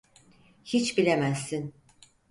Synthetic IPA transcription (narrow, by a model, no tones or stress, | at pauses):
hit͡ʃbilʲemæsːin